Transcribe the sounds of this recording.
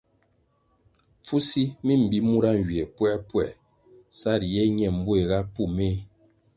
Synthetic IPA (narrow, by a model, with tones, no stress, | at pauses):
p͡fu˦si˦mi˦m̩˨bi˦mu˦ɾa˦ŋ˨ɡɥi˨e˨pwɛ˦pwɛ˨ | sa˦˨ɾjɛ˦ɲɛ˨m̩˦bu˦e˨ɣa˦pu˦˨me˦